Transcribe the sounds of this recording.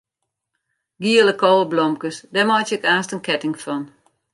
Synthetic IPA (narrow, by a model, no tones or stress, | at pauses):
ɡiələkoːəblɔmkəsdɛmɔt͡ʃəəkaːstənkɛtɪŋfɔn